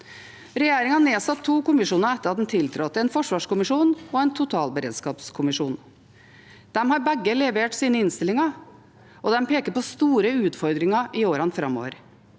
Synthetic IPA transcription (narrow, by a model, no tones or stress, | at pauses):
ɾɛjeːɾɪŋɑneːsɑt̪ʰːuːkʊmɪʂuːnəɾɛt̪ːəɾhɑt̪̚ɛm̩t̪ʰɪlt̪ʰɾɔt̪ːɛnfɔʂʋɑːʂkʊmɪʂuːnɔɛnt̪ʰʊt̪ʰɑːlbəɾḛːd̪skɑːpskʰʊmɪʂuːn | d̪̥ɛmhɑɾbɛɡːəlɛʋeːʈsiːnəɪnst̪ɪlɪŋɑ | ɔd̪ɛmpeːkəɾpɔst̪uːɾəʉːt̪fɔɾd̪ɾɪŋɑʔɪoːɾɑnfɾɑmːo̰ːʋə̰ɾ